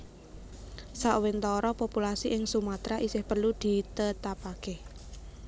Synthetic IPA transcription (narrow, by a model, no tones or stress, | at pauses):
saʔwɪnt̪ɔɾɔpopulasiʔɪŋsumat̪ɾaʔisɪhpərlud̪̥i̤t̪ət̪apake